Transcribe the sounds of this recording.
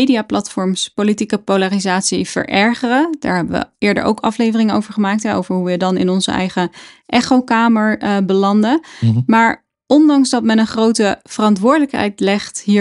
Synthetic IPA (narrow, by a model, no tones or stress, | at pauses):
ejdiaːplɑtfɔɹmspolitikəpowlarizaːtsiv̥ə̰ɹʔɛɹχərəd̥aːɹɦɛbəʋə̰ʔɪːɹdə̰ɹʔo̰wkɑflejvərɪŋəno̰wvəɹχəmaːk̚tɦɛo̰wvəɹɦujədɑnɪ̰nɔnzə̰ɛ̰jχəʔɛχowkaːməɹbəlɑndəmaːɹ | ʔɔndɑŋsdɑtmɛnənχrowtəv̥ərɑntʋʊːɹdələkɦɛ̰jtlɛχtɦiː